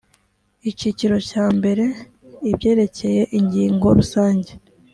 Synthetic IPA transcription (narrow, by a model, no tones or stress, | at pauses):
iciciɾo̞caːmbe̞ɾe̞ | ibɟe̞ːɾe̞ce̞je̞ʔiɲɟiːŋɡo̞ɾusaːɲɟe